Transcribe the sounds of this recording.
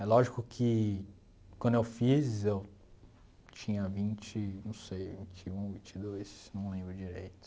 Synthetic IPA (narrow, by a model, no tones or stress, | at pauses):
ɛlɔʒikʊkʰɪ | kwɐ̃d̪ʊewfizew | t͡ʃĩɲɐvĩnt͡ʃɪnɐ̃w̃sejvĩt͡ʃɪũvĩt͡ʃɪd̪ojsnɐ̃w̃lẽbɾʊd͡ʒiɾḛjt̪ʊ̥